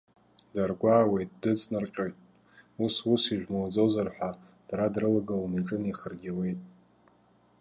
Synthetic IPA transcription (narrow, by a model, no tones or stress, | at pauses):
darɡʷaːwe̞jtʼdɨt͡sʼnarqʲʼojtʼ | ususiʒᶣmald͡zozarħʷᶣa | d̥aɾadrɨlaɡalniʈ͡ʂʼɨniχərɡʲiwe̞jtʼ